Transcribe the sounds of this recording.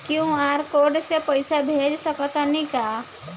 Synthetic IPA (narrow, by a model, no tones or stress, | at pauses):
kjũaːɾkoːɾɖsepəɪsabʱeːd͡ʒsəkɔt̪anika